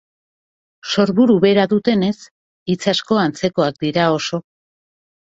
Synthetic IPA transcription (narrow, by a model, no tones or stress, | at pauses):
so̞ɾβuɾuβe̞ɾaðut̪e̞ne̞s | it͡sasko̞ant͡se̞ko̞ak̚d̪iɾao̞so̞